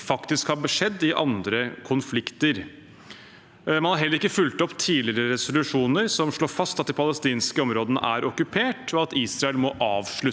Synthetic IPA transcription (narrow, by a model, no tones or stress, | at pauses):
fɑkt̪ɪskhɑɾbəʂɛd̪ːɪʔɑnd̪ɾəkʰʊnflɪkt̪əɾ | mɑnhɑɾɦɛlːəɾɪkːəfʉlt̪ɔpːt̪ʰiːlɪɾəɾɛsʊlʉʂuːnəɾsɔmʂɭoːɾfɑst̪ɑt̪d̪ɪːpʰɑləst̪iːnskəɔmɾoːd̪ənə̰ʔæɾɔkʉpʰeːʈʰɔɑt̪iːsɾɑɛlmɔʔɑːʋʂɭʉ